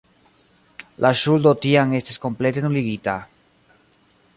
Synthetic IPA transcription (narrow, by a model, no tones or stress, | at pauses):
lʔaʃuld̪ot̪iaŋest̪asko̞mplet̪enuliɡit̪a